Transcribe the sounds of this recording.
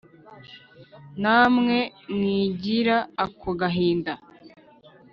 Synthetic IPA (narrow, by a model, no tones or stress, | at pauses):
naːmŋe̞mŋiːɟiɾaːkoɡaɦiːnda